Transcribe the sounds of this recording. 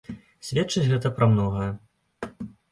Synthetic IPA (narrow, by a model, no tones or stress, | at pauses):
sʲvʲɛtt͡ʂɐt͡sʲɣɛt̪ɐpɾɐmnɔɣɐjɐ